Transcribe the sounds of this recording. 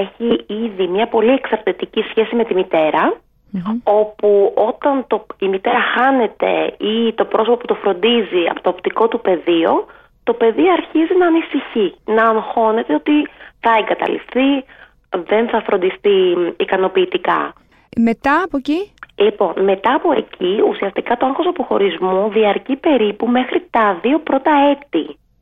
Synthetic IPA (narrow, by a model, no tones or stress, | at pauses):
eçiiðimɲɐpo̞lieksɐɾt̪it̪icisçe̞sime̞t̪imit̪e̞ɾɐ | o̞puo̞t̪ɐnt̪o̞imit̪e̞ɾɐxɐne̞t̪e̞̰it̪o̞pɾo̞sopoput̪o̞fɾo̞nd̪iziɐ̰pot̪oːpt̪iko̞t̪upe̞ðio | t̪o̞pe̞ðiɐɾçizinɐːnisiçinɐːnxo̞ne̞t̪e̞o̞t̪iθɐe̞ŋɡɐt̪ɐ̰lḭfθi | ðe̞nθɐfɾʔo̞nd̪isθiːkɐno̞piːt̪ikɐ̰ | met̪ɐːpocilipo̞nme̞t̪ɐːpo̞e̞̰cʰiusiɐst̪ikɐt̪oɐŋxosɐpo̞xo̞ɾizmuðiɐɾcipe̞ɾipume̞xɾit̪ɐðio̞pɾo̞t̪ɐe̞t̪i